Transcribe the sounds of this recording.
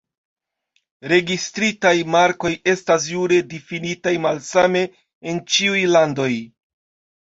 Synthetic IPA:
ɾe̞ɡistɾitajmaɾko̞je̞stas̬juɾe̞difinitajmalsame̞ː | nt͡ʃiujlando̞j

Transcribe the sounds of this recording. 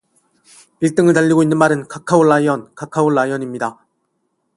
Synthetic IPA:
piɭt͈ɯŋɯɭtaʎːiɡoinːɯnmaɾɯnkakʰaoɭːaiʌnkakʰaoɭːaijʌɲimɲida

